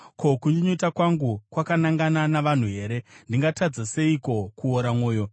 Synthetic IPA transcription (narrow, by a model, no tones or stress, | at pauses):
kʰo̞kuɲiɲotakwaŋɡukwakanaŋɡananaʋan̤uɦe̞ːɾe̞ndiŋɡatad͡zase̞iko̞kuoɾamo̞ːjo̞